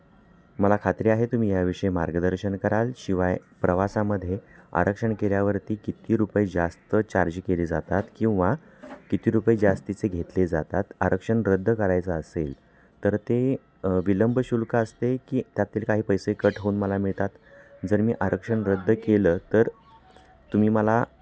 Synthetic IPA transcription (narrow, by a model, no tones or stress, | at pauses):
məlakʰat̪ɾiːaɦet̪um̤iːjaʋiʂəjemaɾɡəd̪əɾɕənkəɾalɕiʋajpɾəʋasaməd̪ʱːjea̰ɾʔəkʂəɳkeɾjaʋəɾt̪iːkit̪iːɾupəjd͡zast̪ət͡ɕaɾd͡ʑkeliːd͡zat̪at̪kĩw̃ʋa | kit̪iːɾupəid͡zast̪it͡seɡʱet̪led͡zat̪at̪aɾʔəkʂəɳɾəd̪ʱːkəɾajt͡səːsel | t̪əɾt̪e | ʋiləmbəɕulkəəst̪ekiːt̪jat̪ːiːlkaɦiːpəjsekəʈɦounməlamiɭt̪at̪d͡zəɾmiːʔaɾəkʂəɳɾəd̪ʱːəkeləːt̪əɾ | t̪um̤iːməla